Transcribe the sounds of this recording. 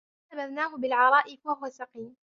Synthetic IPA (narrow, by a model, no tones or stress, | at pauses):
abaðnaːɦʊbɪlʕɑɾˤɑːʔɪfwahʊwasɑqiːm